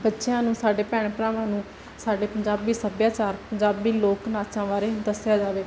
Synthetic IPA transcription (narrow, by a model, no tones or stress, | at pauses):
bətːʃjãːnũːsaːɖeːpɛːɳpɾaːʋãːnũː | saːɖeːpəɲd͡ʒaːbiːsəbjaːt͡ʃaːɾpəɲd͡ʒaːbiːloːknaːt͡ʃãːʋaːɾeːd̪əsɪjaːd͡ʒaːʋeː